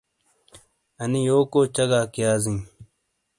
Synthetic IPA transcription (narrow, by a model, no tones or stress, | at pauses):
ɐnijoːkoːt͡ɕɐɡaːkijaːzĩː